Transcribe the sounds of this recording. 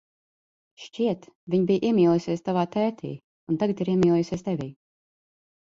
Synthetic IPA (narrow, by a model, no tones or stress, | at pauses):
ʃt͡ʃʲiɛt̪vʲiɲbijʔiɛmʲiːlˠujusʲiɛst̪avaːt̪ɛːt̪ʰḭː | unt̪aɡat̪iɾiɛmʲiːlˠujusʲiɛst̪evʲiː